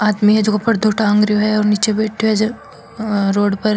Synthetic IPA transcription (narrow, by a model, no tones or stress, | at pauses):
aːd̪miɦɛd͡ʒoɡopɐɾd̪ʱoːʈaɐ̃ŋɡɾioɦɛɔːɾniːt͡ʃebeːʈʰjɦɛd͡ʒ | ɾoːɽpɐɾ